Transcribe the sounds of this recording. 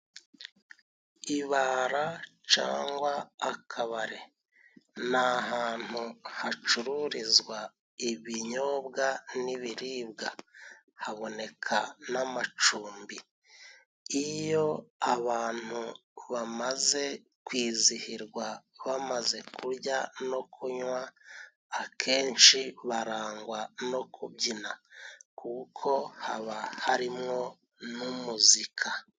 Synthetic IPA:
iβaɾat͡ʃa̰ːŋɡwaːkʰaβaɾe̞ | naɦaːn̥huhat͡ʃuɾuɾizɡwa | iβiɲo̞ːbɡaniβiɾiːb̚ɡa̰ | haβo̞ne̞kʰanamat͡ʃuːmbi | ijo̞aβaːn̥hu | βamaze̞ | kwiːzihiɾɡwaβamaze̞kuɾɟano̞kʰuɲwaː | kʰe̞ːnt͡ʃiβaɾaːŋɡwano̞kʰubɟinakʰukʰo̞ha̰βahaɾimŋo̞ | numuzikʰa

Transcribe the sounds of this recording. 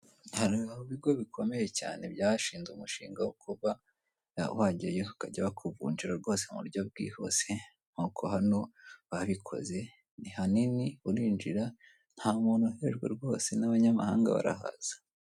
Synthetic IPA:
haɾiauβiɡoβikʰo̞me̞je̞ca̰ːne̞bjaːʃiːnzumuʃiːŋɡawokʰuβa | waɟajeukaɟaβakʰuvṵːnd͡ʒiɾaɾɡo̞ːse̞mṵɾɟob̚ɡḭːho̞̰se̞ | ŋ̥ukʰohano̞βaβikʰo̞̰ze̞ | nihaniniuɾiːɲd͡ʒiɾa | n̥haːmonoheʒɡwḛɾɡo̞ːse̞naβaɲama̰ha̰ːŋɡa̰βa̰ɾa̰ɦa̰z̥ḁ

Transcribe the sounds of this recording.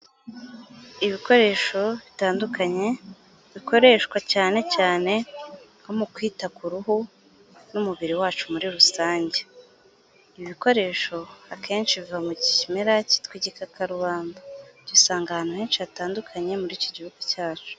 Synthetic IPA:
iβiko̞ɾe̞ːʃo̞βitaːndukaɲe̞ | βiko̞ɾe̞ːʃkwacaːne̞caːne̞ŋomukwiːtakuɾuhu | numuβiɾiwaːt͡ʃumuɾiɾusaːɲɟe | iβiko̞ɾe̞ːʃo̞akʰe̞ːnt͡ʃiβivamuɟiimeɾaci̥tkwiɟikakʰaɾuβaːndaɟ̥isaːŋɡahanaheːnʃiataːndukʰaɲe̞muɾiːcoɟihuɡucaːt͡ʃu̥

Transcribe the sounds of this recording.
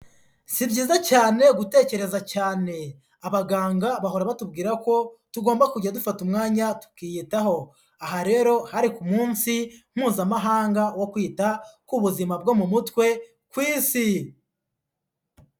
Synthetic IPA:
sibɟiːzacaːne̞ɡute̞ːce̞ɾe̞zacaːne̞ | aβaɡaːŋɡaβaɦo̞ɾaβatub̚ɡiːɾako̞tuɡo̞ːmbakuɟadufatumŋaːɲatu̥kijitaho̞ | aɦaɾe̞ːɾo̞haɾikumuːnsim̥uːzamaɦaːŋɡawokwiːtakuβuzimab̚ɡo̞mumutwe̞ | kwiːsi

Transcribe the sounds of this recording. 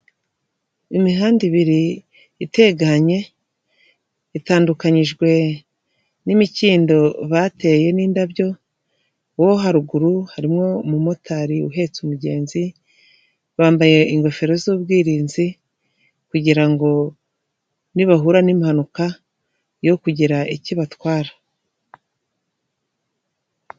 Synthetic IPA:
imiɦaːndiβiɾiː | te̞ɡaɲe̞ | itaːndukaɲiʒɡwe̞ | nimiciːndo̞βate̞je̞niːndaβjo̞ | woɦaɾuɡuɾuhaɾimŋo̞mumo̞tʰaɾiṵɦe̞t͡sumuɟe̞̰ːnzi | βaːmbaje̞iŋɡo̞fe̞ɾozubɡiːɾiːnzi | kuɟiɾaŋɡo̞ | niβaɦuɾanimihanuka | jo̞kuɟiɾaʔiciβatwaːɾḁ

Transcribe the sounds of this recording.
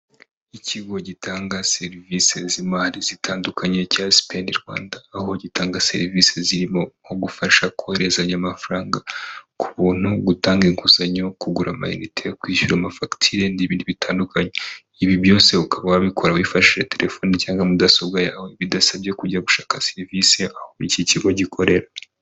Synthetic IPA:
iciɡo̞ɟitaːŋɡaseɾivise̞zimaɾizitʰaːndukʰaɲe̞casi̥pendiɾɡwa̰ːndaːho̞ɟitaːŋɡase̞̰ɾviseziɾimo̞oɡufaʃakʰoheɾe̞zaɲamafaɾaːŋɡakʰuβuːn̥huɡutaːŋɡeŋkuzaɲo̞kuɡuɾama̰jḭnitʰekwiːʃuɾamafaktʰiɾendiβiːndiβitʰaːndukʰaɲe | iβiβjo̞ːse̞ukʰaβawaβikʰoɾawifaʃiʒetʰe̞ɾefo̞ːnicaːŋɡamudasobɡajaːwe̞βidasaβje̞kuɟaβuʃaːkaseɾvise̞ahoiciciɡwoɟikʰo̞ɾe̞ɾa

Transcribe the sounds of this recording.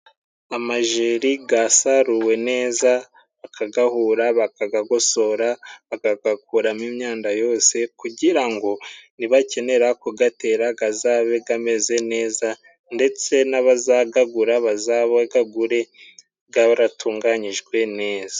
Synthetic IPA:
amaʒeːɾiɡasaɾuwe̞ne̞ːza | akʰaɡahuːɾaβakaɡaɡo̞so̞ɾaβakaɡakuɾamimɲaːndajo̞ːse̞kuɟiɾaŋɡo̞niβace̞ne̞ɾakuɡate̞ɾaɡazaːβe̞ɡame̞ze̞ne̞ːza | nde̞t͡se̞naβazaɡaɡuɾaβazaβaɡaɡuɾe̞ | ɡaβaɾatʰuːŋɡaɲiʒɡwe̞ne̞ːza

